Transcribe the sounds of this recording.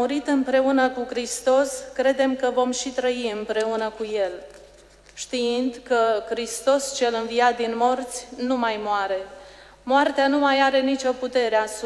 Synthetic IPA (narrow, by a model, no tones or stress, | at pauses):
uɾit̪ɨmpɾe̞unəkukɾist̪o̞skɾe̞d̪e̞mkəvo̞mʃit̪ɾəiɨmpɾe̞unəkuje̞l | ʃt̪iind̪kəkɾist̪o̞st͡ʃe̞lɨnviat̪̚d̪inmo̞rt̪sʲnumajmoaɾe̞ | moart̪eanumajaɾe̞nit͡ʃo̞put̪e̞ɾeas